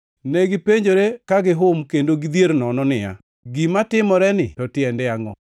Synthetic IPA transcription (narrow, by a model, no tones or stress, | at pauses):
nɛɡɪpeɲd͡ʒoɾekaɡɪɦʊmkendoɡid̪ieɾnɔnɔnɪja̰ | ɡimatɪmɔɾɛnɪ̰tɔtɪɛndɛaŋɔ